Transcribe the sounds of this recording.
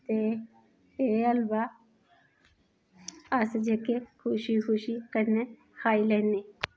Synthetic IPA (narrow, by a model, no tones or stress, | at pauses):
t̪e | eɐlba | asd͡ʒekekʰuʃikʰuʃikɐɾne | haːilene